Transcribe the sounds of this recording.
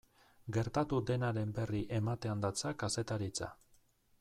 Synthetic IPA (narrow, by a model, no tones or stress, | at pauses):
ɡe̞ɾt̪at̪ud̪e̞naɾe̞mbe̞riʔe̞mat̪e̞and̪at͡sakase̞t̪aɾit͡sa̰